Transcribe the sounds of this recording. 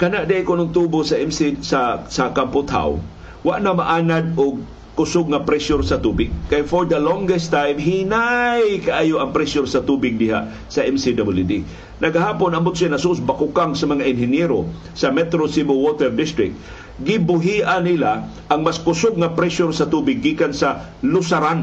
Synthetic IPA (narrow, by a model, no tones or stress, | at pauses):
kɐnaʔd̪aʔɪkʊnʊŋt̪ubosaʔɛmsisasakampʊt̪ha̰w | waʔnamaʔaːnad̪̚ʊɡ̚ | kʊsʊɡ̚ŋapɾɛsjʊɾsat̪ubɪɡ̚kajfoɾd̪ɐlɔŋɡɛst̪ajmɦinajkaʔaːjʊʔɐŋpɾɛsjʊɾsat̪ubɪɡ̚dɪɦa̰ʔ | sɐʔɛmsid̪abɪld̪i | nʔɐɡaɦaːpʊnɐmʊt̪sianɐsʊʔʊsbakʊkaŋsɐmaŋaʔɪnɦɪnjɛɾo | sɐmɛt̪ɾosimowot̪ɛɾd̪ɪst̪ɾɪk̚t̪̚ | ɡɪbʊɦiʔanɪla | ʔaŋmaskʊsʊɡ̚ŋapɾɛsʊɾsɐt̪uːbɪɡːiːkansa | lʊsaɾan